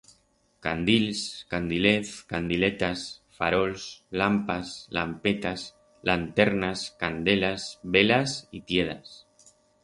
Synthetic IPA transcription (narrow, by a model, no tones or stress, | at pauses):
kand̪ilskand̪ileθkand̪ilet̪asfaɾolslampasla̰mpet̪as | lant̪eɾnaskand̪elazβelasit̪jeða̰s